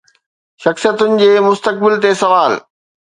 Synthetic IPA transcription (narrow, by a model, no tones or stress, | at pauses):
ʃɐxsijət̪ʊnɪ̆d͡ʑeːmʊst̪ək̚bɪlt̪esɐʋaːl